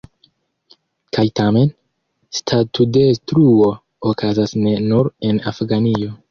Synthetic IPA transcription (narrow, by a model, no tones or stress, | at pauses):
kʰajtame̞n | stʰatude̞stɾuo̞ | okazasne̞nuɾe̞nafɡanio̞